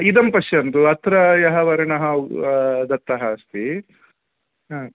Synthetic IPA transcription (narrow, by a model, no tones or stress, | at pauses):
id̪ɐmpɐʃjɐnt̪uɐt̪ɾɐjɐɦɐʋɐɾɐɳɐɦɐ | d̪ɐt̪ːɐɦɐːst̪i | ɦaː